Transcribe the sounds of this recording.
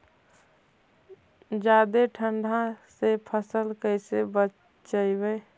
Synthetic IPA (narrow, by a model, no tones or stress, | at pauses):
d͡ʒad̪eʈʰəɳɖʱãsepʰəsəlkəɪsebət͡ʃ | t͡ʃəɪbe